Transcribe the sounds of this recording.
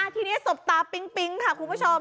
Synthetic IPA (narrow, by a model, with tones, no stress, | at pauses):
ʔa˧˩t̪ʰiː˧ni˦˥ɐ˩so˨˩p̚t̪aː˨˩pi˧˥ŋpi˧ŋkʰa˦˧˩kʰu˧npʰo˧m